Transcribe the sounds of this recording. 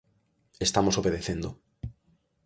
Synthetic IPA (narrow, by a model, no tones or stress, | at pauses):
est̪amosoβeðeθend̪o